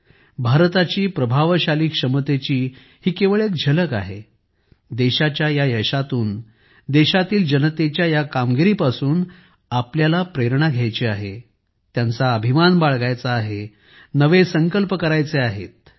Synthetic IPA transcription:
bʱaɾt̪at͡ɕiːpɾəbʱaʋɕaliːkʂəmət̪et͡ɕiː | hiːkeʋɭek̚d͡ʑʱələka̰ɦe | d̪eɕat͡ɕjajajəɕat̪uːn | d̪eɕat̪iːld͡ʑənət̪et͡ɕjajakamɡiɾipasuːn | apljalapɾeɾɳaɡʱjajt͡ɕeaɦe | t̪jant͡saəbʱimanbaɭɡajt͡saːɦe | nəʋesəŋkəlpəkəɾajt͡seaɦḛt̪̚

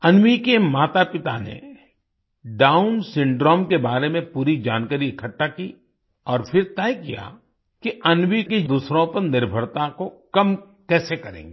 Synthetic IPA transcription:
ɐnʋikemaːt̪apɪt̪anḛ | ɖaːʊnsɪ̃ɳɖɾɔːmkebaːɾemẽpuːɾid͡ʒaːnkaɾiɪkʰəʈːaki | ɔːɾpʰɪɾt̪ɛːjkija̰ | kiɐnʋiked̪uːsɾõpɐɾnɪɾbʱəɾt̪akokɐm | kɛːsekɐɾḛ̃ːŋɡeː

